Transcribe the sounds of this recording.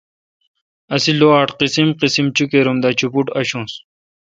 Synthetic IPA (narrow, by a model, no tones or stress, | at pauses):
ɐsiloaːʈqisimqisimt͡ɕukeɾumd̪at͡ɕʰupuʈɐɕũːs